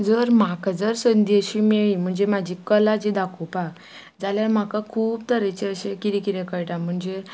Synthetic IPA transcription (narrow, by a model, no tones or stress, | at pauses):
d͡zəɾm̤akad͡zəɾsənd̪eɕiːmeɭim̤əɳd͡zemad͡ʑʱikəlad͡ʑid̪akʰupak | d͡zaljaɾm̤akakʰuːp̚t̪əɾet͡ɕeəɕekiɾikiɾekəɭʈam̤əɳd͡ze